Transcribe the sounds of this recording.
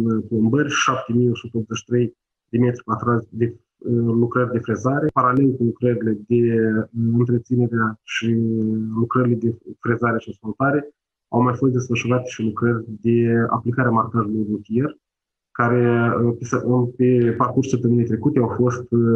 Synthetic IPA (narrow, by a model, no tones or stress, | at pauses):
plombərʲʃap̚t̪e̞mijo̞sut̪əop̪t̪zeʃi̥t̪ɾe̞j | d̪e̞met̪ɾʲipat̪ɾasʲd̪e̞ | lukɾərʲd̪e̞fɾe̞zaɾe̞paɾale̞lkulukɾəɾile̞d̪e̞ɨnt̪ɾet̪sine̞ɾeaʃilukɾəɾile̞d̪e̞fɾe̞zaɾeaʃiskolt̪aɾe̞ | a̰wmajfost̪d̪e̞sfəʃuɾat̪e̥ʃilukɾərʲd̪e̞a̰plikaɾeamarkaʒulujrut̪ije̞r | kaɾe̞pesəpe̞parkurʃsəp̚t̪əmɨnijt̪ɾe̞kut̪eawfo̞st̪